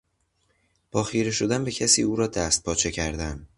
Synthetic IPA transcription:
b̥ɒːxiːɾeʃo̞d̪ænbe̞cʰæsiːuːɾɒːd̪æst̪̚pʰɒːt͡ʃʰe̞cʰæɾd̪æn

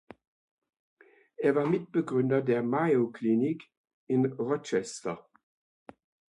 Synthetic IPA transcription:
ɛɐvaːmit̚b̥əɡʁʏndɐdɛɐmajokʰlinik | ɪnʁɔt͡ʃɛstɐ

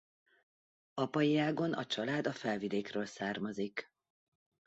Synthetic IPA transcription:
ɒpɒjiaːɡo̞nʔɒ̰t͡ʃɒlaːd̪ɒfɛlvid̪eːkrøːlsaːrmɒzik

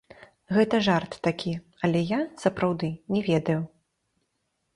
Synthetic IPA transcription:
ɣɛt̪ɐʐart̪ːakʲi | ɐlʲɛjasɐpɾawd̪ɨnʲɛvʲɛd̪ɐju

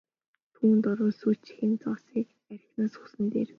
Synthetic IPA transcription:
t̪ʰuːnt̪ɔɾʊ̆ːsut͡ɕxiːnt͡sɔsiːk | æɾʲɪ̆xnaːsʊ̥sə̆nt̪ḛːr

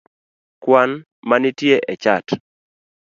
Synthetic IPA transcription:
kwan | manitjeʔɛt͡ʃat

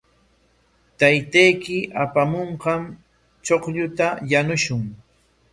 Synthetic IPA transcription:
t̪ajt̪ajkɪʔapamoɴqɑm | t͡ʃoqʎʊt̪ajanʊʃʊŋ

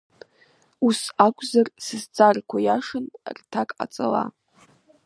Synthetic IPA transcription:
usakʷʼʰzarsɨzt͡sʰʼarkʷʰajaʂɨnrtʰakʼa̰t͡sʼa̰la̰

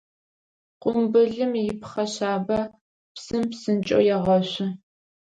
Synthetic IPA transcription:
qʷʼʊmbɨɮɨmjɪpχɐɕaːbɐ | psɨmpsɨnt͡ʃʼo̰jɛʁɐɕɪ

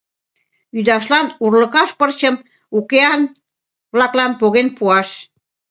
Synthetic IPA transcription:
yd̪ɑʃlɑnurlə̆kɑʃpərt͡ɕəm | ukeɑn | βlɑklɑnpoɣenpuɑʃ

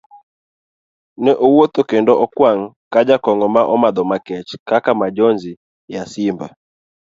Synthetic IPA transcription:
nɛʔowot̪okendɔʔɔkwaŋ̩ | kad͡ʒakɔŋɡɔmaʔɔmad̪ɔmakɛt͡ʃkakamad͡ʒɔnzi | jasɪmba

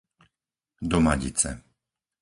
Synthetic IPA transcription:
d̪ɔma̰ɟḭt͡sɛ̰

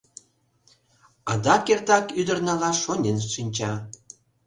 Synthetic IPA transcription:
ɑd̪ɑkert̪ɑkyd̪ərnɑlɑʃonʲenʃinʲt͡ɕɑ

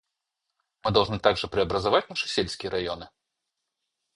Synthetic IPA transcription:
mɨd̪alwˠʐnɨt̪aɡʐɨpɾɨɐbɾɐzavat͡sʲnaʂɨsʲelʲsʲkʲɪjɛɾajɔnɨ

